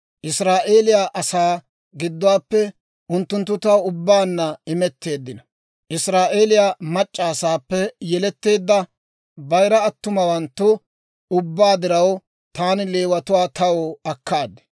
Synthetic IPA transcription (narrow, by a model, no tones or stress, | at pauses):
ʔɪsɾaːʔe̞ːlɪjaʔɐsaː | ɡɪd̪ːʊwaːpːɛ | ʔʊnt̪ːʊnt̪ːʊt̪ːɐwʊbːaːnːɐɪmɛt̪ːe̞ːd̪ːɪnɐ | ʔɪsɾaːʔe̞ːlɪjamɐt͡ʃʼːaːsaːpːɛjɛlɛt̪ːe̞ːd̪ːɐ | bɐjɾɐːt̪ːʊmɐwɐnt̪ːʊ | ʊbːaːd̪ɪɾɐw | t̪aːnɪle̞ːwɐt̪ʊwaːt̪ɐwoɐkːaːd̪ɛ̥